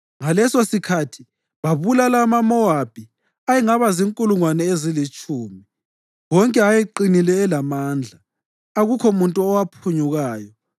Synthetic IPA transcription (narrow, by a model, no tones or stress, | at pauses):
ŋalɛsosikʰatʰi̥ | βaβulalamamɔab̥ʱi | ajiŋaβaziŋkʼuluŋwanɛezilit͡ʃʼuːmi | wɔŋkʼɛajiǃinilɛːlamaːnd͡ɮʱaː | ɣukʰɔmuntʼuɔwapʰuɲuɣaːjɔ